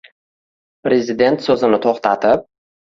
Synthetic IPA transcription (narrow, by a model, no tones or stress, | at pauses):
pɾe̞zɪd̪e̞nt̪sɵzɪnɪt̪ʰoχt̪ʰat̪ʰɪp̚